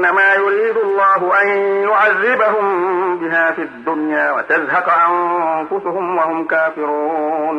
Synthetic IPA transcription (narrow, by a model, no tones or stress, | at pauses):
nːamaːjʊɾiːd̪ʊalˤːɑːɦʊʔanjʊʕaðːɪbaɦʊmbɪɦaːfiad̪ːʊnjaːwat̪azɦɑqʔanfʊsʊhʊmwahʊmkaːfɪɾuːn